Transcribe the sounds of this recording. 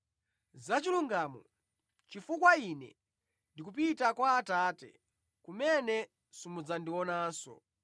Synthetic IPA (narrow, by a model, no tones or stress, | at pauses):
zat͡ʃiluŋɡamɔ̰ | t͡ʃifukwainɛ̰ | ndikupitakwaːtaːtɛ̰ | kumɛnɛ | sumud͡zandiɔnaːnsɔ̰